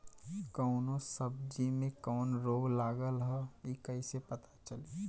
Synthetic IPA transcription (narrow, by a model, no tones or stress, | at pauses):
kəʊnõsəb̚d͡ʒimẽkɔːnɾoːɡlaːɡəlɦɔikəɪsepət̪at͡ʃəli